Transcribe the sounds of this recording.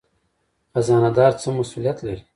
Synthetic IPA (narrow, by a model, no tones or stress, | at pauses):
xazɑːnad̪ɑːɾt͡səmasulijat̪laɾi